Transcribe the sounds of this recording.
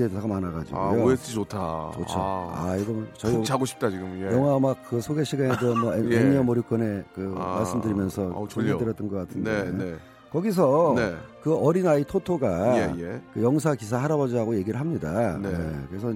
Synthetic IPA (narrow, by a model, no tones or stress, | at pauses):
edesʰaɡamanaɡa̰d͡ʑḭɡojoes͈ʰɯt͡ɕotʰat͡ɕo̰t͡ɕʰoa̰iɡʌmt͡ɕʌiaɡoɕʰi̥p̚t͈at͡ɕiɡɯmjʌŋɦwamak̚kɯsʰoɡe̞ɕʰiɡanedomʌenːiʌmʌɾjuk͈ʌne̞kɯmaɭs͈ɯmdɯɾimjʌnsʰʌt͡ɕuɲidɯɾjʌt͈ɯnɡʌk͈atʰɯndee | kʌɡis̬ʰʌnekɯʌɾinaitʰotʰoɡajekɯjʌŋs̬ʰakis̬ʰahaɾabod͡ʑiɦaɡoje̞ɡiɾɯɭɦamɲida̰neekɯɾe̞s̬ʰʌ